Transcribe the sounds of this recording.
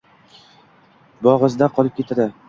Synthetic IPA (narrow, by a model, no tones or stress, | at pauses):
bɒʁɨzd̪aqʰɒlˠɪp̚kʲʰe̞t̪ʰad̪ɪ